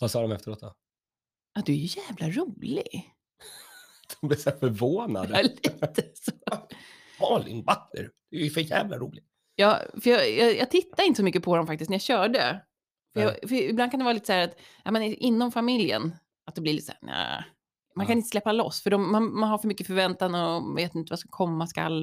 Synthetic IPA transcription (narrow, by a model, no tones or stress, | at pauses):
vasɑːd̪ɔmɛft̪əɾoːt̪̚d̪ɔ | ad̪ɵæɾjɵjæːvlaɾuːlɪ̰ɡ | d̪̥ɔmblɪsæfœɾvoːna̰d̪əliːt̪əsoː | ɑːlɪ̰nbaknə̰ɾd̪̥ɛjfœjæ̰ːvla̰ɾuːlɪɡ | jɑːfœjɑjɑjɑːɡ̚t̪ʰɪt̪ːadɪnt̪əsɔmʏkːəpʰɔd̪ɔmfak̚t̪ɪstnæɾjaɕœːɖə | fœjɑfœɪblankanɛvɑːɾliːt̪əsæːɾat̪ | amɛnʔɪnːɔmfamɪljə̰n | at̪̚d̪ɛblɪɾlḭt̪ːsæ̰ːna̰ | mankʰanɪnt̪əslɛpːalɔ̰sːfœɖɔmːanmanhaɾfœɾmʏkːəfœɾvɛnt̪and̪əɔveːt̪ɪnt̪əvaskakʰɔmːaska̰lː